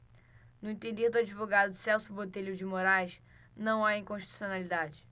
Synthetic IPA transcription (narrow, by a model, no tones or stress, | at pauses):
nʊẽt̪ẽnd̪ehd̪ʊad͡ʒivoɡad̪ʊsɛwsʊbot̪eʎʊd͡ʒɪmoɾajs | nɐ̃w̃aĩŋkõʃt͡ʃi̥t̪u̥sionalid̪ad͡ʒɪ